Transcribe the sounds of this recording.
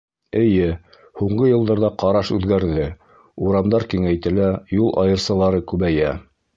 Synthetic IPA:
ɘ̆jɘ | huɴɢɤjɤ̆lˠd̪ɑɾðɑqɑɾɑʃʉðɡæɾðɘ | uɾɑmd̪ɑɾkiŋæjt̪ɘlæjulˠʔɑ̰jɤ̆ɾsɑlˠɑɾɤkʉβæjæ

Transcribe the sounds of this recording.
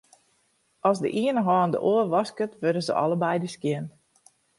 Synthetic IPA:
ɔsdə̰ʔiənəɦɔːndə̰ʔoərʋɑskətʋødəzə̰ʔɑ̰ləbɛjdəskjɪn

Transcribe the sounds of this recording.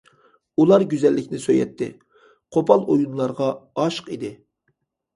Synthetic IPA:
ulˠɑɾɡʲyzɛlːɪkʲnɪsøjɛ̰t̪ʰːɪ̰ | qʰopʰɑlˠojunlˠɑɾʁɑɑʃqid̪ɪ

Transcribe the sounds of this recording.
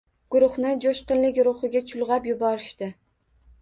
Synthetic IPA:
ɡ̥ʊɾʊχnɪd͡ʒoʃqɨnlɪkʲɾʊχɨɡʲat͡ʃʰʊlˠʁɑpjʊbɒɾɪʃt̪ɪ

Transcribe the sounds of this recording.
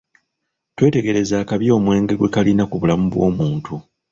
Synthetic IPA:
twe̞ːte̞ɡe̞ɾe̞zaːkaβjo̞ːmwe̞ːŋɡe̞ɡwe̞kalinakuβulamuβwo̞̰ːmuːntʰu

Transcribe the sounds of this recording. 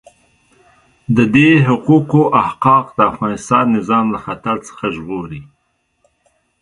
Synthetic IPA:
d̪əd̪eɦʊquqoʔahqɑqd̪əafɣɑnɪst̪ɑnːɪzɑmlaxat̪aɾt͡sə̥xaʒɣoɾi

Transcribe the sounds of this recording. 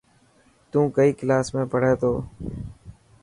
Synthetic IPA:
t̪ũːkəiːkɪlaːsmẽːpəɽ̤eːt̪ʰoː

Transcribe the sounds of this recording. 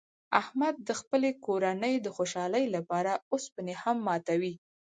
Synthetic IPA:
ahmad̪̚ːəxpəlekoɾanəjd̪əxoʃɑləjlapɑɾaospənehamːɑt̪awi

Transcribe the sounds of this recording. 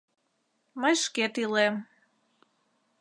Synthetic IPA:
məjʃket̪ilem

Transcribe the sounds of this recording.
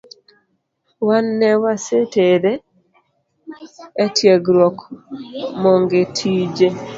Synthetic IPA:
wanːɛwaseteɾe | tʰjeɡɾwɔk | mɔŋɡetʰid͡ʒe

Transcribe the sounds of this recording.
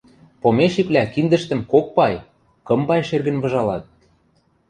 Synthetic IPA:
pomeʃiklʲækind̪ə̆ʃt̪ə̆mkok̚pɑj | kɤ̆mbɑjʃerɣə̆nβɤ̆ʒɑlɑt̪̚

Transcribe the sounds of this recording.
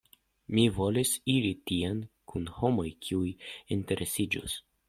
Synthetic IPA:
mivo̞lisiɾitiankʰunho̞mo̞jkʰiujinte̞ɾʔesid͡ʒo̰s

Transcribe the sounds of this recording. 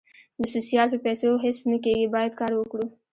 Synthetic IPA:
d̪əsusijaːlpepɛːseɦɪsnəkeːɡebaːjəd̪kaːɾwʊkɽu

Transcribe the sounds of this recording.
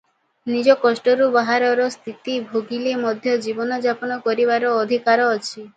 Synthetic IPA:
nid͡ʒɔkɔʃʈɔɾubaɦaɾɔɾɔst̪ʰit̪ibʱoɡilemɔd̪ʱjɔd͡ʒibɔnɔd͡ʒapɔnɔkɔɾiβaɾɔːd̪ʱikaɾɔːt͡ʃʰi

